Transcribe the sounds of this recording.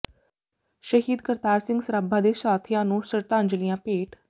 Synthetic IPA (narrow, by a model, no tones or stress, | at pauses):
ʃəɦiːd̪kəɾt̪aːɾsɪ̃ŋɡsəɾəbʱːãːd̪eːsaːt̪ʰijãːnũːsəɾt̪ãːɲd͡ʒəlijãːpeːʈ